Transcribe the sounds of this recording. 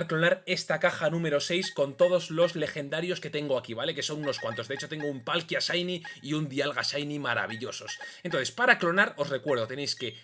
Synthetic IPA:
ɾklo̞naɾe̞st̪akaxanũme̞ɾo̞se̞jsko̞nt̪o̞ð̞o̞zlo̞zle̞xe̞nd̪aɾjo̞ske̞t̪e̞ŋɡoakiβale̞ke̞so̞nuno̞skwant̪o̞zeet͡ʃo̞t̪e̞ŋɡoumpalkjasajniiund̪ialɣasajnimaɾa̰β̞iʎo̞so̞se̞nt̪oθespaɾaklo̞naɾo̞sre̞kwe̞ɾðo̞t̪e̞nejske̞

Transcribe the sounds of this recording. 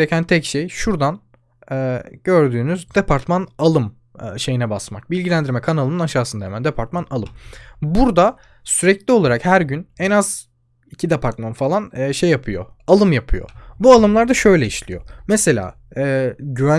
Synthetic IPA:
ɾecʰænt̪ʰɛcʃejʃuɾd̪an | ɛːɟ̥ø̞ɾd̪yːnyzd̪epʰaɾt̪manalˠɯm | ʃe̞jinɛbasma̰k̚bilʲɟilʲænd̪iɾmɛkʰanalˠɯnɯnaʃaːsɯnd̪aemænd̪epʰaɾt̪manalˠɯmbuɾd̪a | syɾɛclʲio̞lˠaɾakhæɾɟynɛnaz | icʰid̪epʰaɾt̪manfalˠanːʃejːapʰɯjo̰alˠɯmjapʰɯjo̰bualˠɯmlˠaɾd̪aʃø̞jlʲɛiʃlʲijo̞̰mɛse̞lʲa̰ː | ɛːɟyvæ

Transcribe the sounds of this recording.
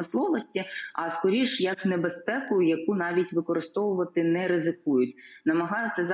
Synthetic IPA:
ɪslˠɔʋɔsʲtʲiɐskɔɾʲiʃjɐknebespɛkʊjʊjɐkunɑʋʲitʲʋɪkɔɾɪst̪ɔʋʊʋɐt̪ɪnɛɾɪzɪkujʊtʲnɐmɐɦɑjʊt͡sʲɐz

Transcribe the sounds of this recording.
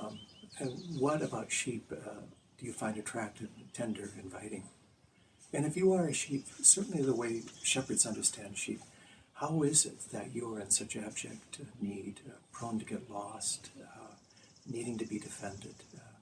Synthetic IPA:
ɨ̃nwʌɾɨbaʊtʃip | d̥ɨjɨfãɪ̃ndɨtʰɹ̥æk̚tɨv̥tʰɛ̃ndə˞ɨ̃ɱvaɪɾɪ̃ŋ | ɨ̃ñɨfjɨə˞ɨʃip̚sɜ˞ʔn̩liðəweɪʃɛpə˞dz̥ʌ̃ndə˞stʰæ̃nd̥ʃḭphaʊɪzɪt̪̚ðɨt͡ʃɨə˞ɨ̃nsʌt͡ʃɨɑb̚d͡ʒɛ̰k̚tnidpʰɹ̥ɑblmtʰɨɡɛtˡlɔst | niɾɪ̃ŋtɨbidɨfɛ̃ndɨd̥

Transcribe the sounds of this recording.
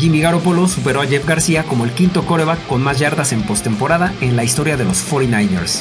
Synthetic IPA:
d͡ʒimiɣaɾo̞polo̞supe̞ɾo̞aʝe̞fɡaɾsiako̞mo̞e̞lkint̪o̞ko̞ɾeβakːo̞nmazʝaɾðase̞mpo̞st̪e̞mpo̞ɾaðae̞nlaist̪o̞ɾjaðe̞lo̞sfoɾinajnḛɾs

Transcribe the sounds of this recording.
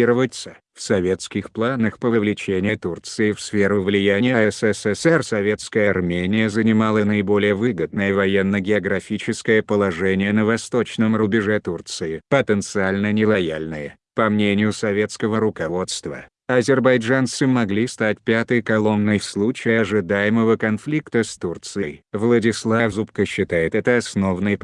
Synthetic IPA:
iɾəvət̪sə | fsɐvʲe̞t̪skʲɪxplˠanəxpəvəvlʲɪt͡ɕenʲɪjət̪urt̪sɨɪfsfʲeɾʊvlʲɪjænʲɪjəɛsɛsɛsɛrsɐvʲe̞t̪skəjəarmʲenʲɪjəzənʲɪmalˠənəɪbo̞lʲɪjəvɨɡəd̪̚nəjəvɐjenːəɡʲɪɐɡɾɐfʲit͡ɕɪskəjəpəlˠɐʐɛnʲɪjənəvɐst̪o̞t͡ɕnəmɾʊbʲɪʐɛt̪urt̪sɨɪpət̪ənt̪sɨalʲnənʲɪlˠɐjalʲnɨjə | pɐmnʲenʲɪjʊsɐvʲe̞t̪skəvəɾʊkɐvo̞t̪st̪və̰ | ɐzʲɪrbɐjʐant̪sɨmɐɡlʲist̪atʲpʲat̪əjkɐlˠo̞nːəjfslˠut͡ɕɪjɐʐɨd̪ajɪməvəkɐnflʲikt̪əst̪urt̪sɨjvlˠədʲɪslˠavzupkəɕːɪt̪ajɪt̪ɛt̪əɐsno̞vnɨjp

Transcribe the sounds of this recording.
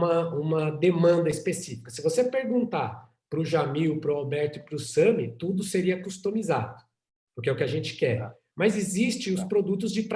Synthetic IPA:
ɐũmɐd̪emɐ̃nd̪ɐispesifi̥kɐsɪvosepeɾɡũnt̪a | pɾʊʒamiʊpɾʊabɛɾt̪ʊɪpɾʊsɐ̃mɪt̪ud̪ʊseɾiɐkust̪omiza̰d̪ʊ | pʊɾkɛʊkɪɐʒẽnt͡ʃɪ̥kɛɾ | mɐzɪzist͡ʃɪ̃ʊs̬pɾod̪ut̪ʊzd͡ʒɪpɾ

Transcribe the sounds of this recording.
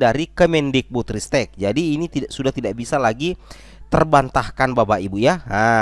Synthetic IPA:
daɾikəmɛndɪk̚but̪ɾist̪ɛk̚d͡ʒadiːnit̪iaʔsudaht̪idaʔbisalaɡi | t̪ərbant̪ahkanbabaibujaɦa

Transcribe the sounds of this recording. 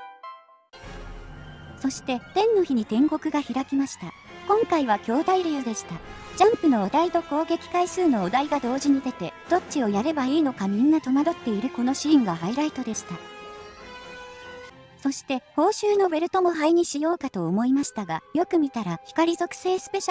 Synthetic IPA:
so̞ɕi̥t̪e̞t̪ẽ̞nːo̞çiɲ̟it̪ẽ̞ŋɡo̞kɯ̟ɡaçiɾakʲimaɕi̥t̪akõ̞ŋkaiβ̞akʲo̞ːd̪aiɾejod̪e̞ɕi̥t̪a | d͡ʑãmpɯ̟no̞ːd̪ait̪o̞ko̞ːɡe̞kʲi̥kaisɨːno̞ːd̪aiɡad̪o̞ːʑiɲ̟id̪e̞t̪e̞d̪̥o̞tt͡ɕio̞jaɾe̞baiːno̞kamʲĩnːat̪o̞mad̪o̞t̪ːe̞iɾɯ̟ko̞no̞ɕĩːŋɡaɦaiɾait̪o̞d̪e̞ɕi̥t̪a | so̞ɕi̥t̪e̞ho̞ːɕɨːno̞be̞ɾɯ̟t̪o̞mo̞ɦaiɲ̟iɕijo̞ːkat̪o̞ːmo̞imaɕi̥t̪aɡajo̞kɯ̟mʲit̪aɾaçi̥kaɾʲizo̞kɯ̥se̞ːsɨ̥pe̞ɕ

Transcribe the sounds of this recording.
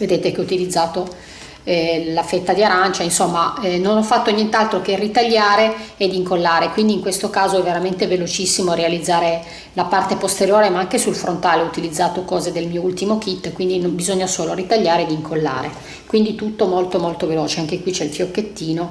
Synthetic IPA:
ved̪eːt̪ekeɔut̪ilid̪zːaːt̪o | ɛlafet̪ːad̪iaɾant͡ʃainsomːanonɔfːat̪ːonjent̪alt̪ɾokerit̪aʎːaːɾeːd̪iŋkolːaːɾekwind̪iŋkwest̪okaːzoɛvːeɾament̪evelot͡ʃisːimoaɾealid̪zːaːɾe | lapart̪epost̪eɾjoːɾemaaŋkesulfɾʔont̪aːleɔut̪ilid̪zːaːt̪okɔːzed̪elmiːoult̪imok̟it̪ːkwind̪inobizoɲːasoːloɾit̪aʎːaːɾed̪iŋkʰolːa̰ːɾe | kwind̪it̪ut̪ːomolt̪omolt̪oveloːt͡ʃeaŋkekwit͡ʃɛilfjokːet̪ːiːno

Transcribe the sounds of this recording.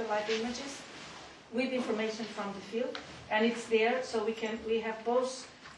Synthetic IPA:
əlaɪvɪ̃mɨd͡ʒɪz̥ | wɪðɪ̃nfə˞meɪʃɨ̃nfɹʌ̃mðɨfilˠdɨ̃nɨtsðə˞soʊwikʰɨ̃nwiɨvboʊθ

